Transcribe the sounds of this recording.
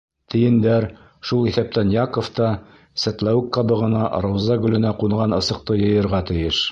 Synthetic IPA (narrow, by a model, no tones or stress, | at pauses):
t̪ʰɘ̆jɘ̆nd̪æɾ | ʃulˠiθæp̚t̪ænjɑkŏft̪ɑ | sæt̪læɘkqɑbɤ̆ʁɤ̆nɑɾowzɑɡɵ̆lɘ̆næquɴʁɑnɤ̆sɤ̆q̚t̪ɤjɤ̆jɤ̆ɾʁɑt̪ɘ̆jɘʃ